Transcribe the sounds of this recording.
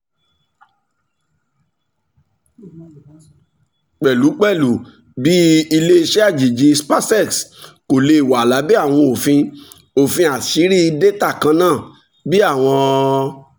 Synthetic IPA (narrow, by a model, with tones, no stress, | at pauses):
k͡pɛ˨lu˨˦k͡pɛ˦˨lu˨ | bi˦i˧le˦i˧ʃɛ˦a˦˨d͡ʒi˨d͡ʒi˧spa˦sɛ˦˨tko˨le˧˨wa˨la˨˦bi˦a˦˨w̃ɔ̃˧o˨fĩ˧ | o˨fĩ˧a˨si˨˦ɾi˦i˧de˦ta˦˨kã˧nãː˦˨ | bi˦a˦˨w̃ɔ̃˧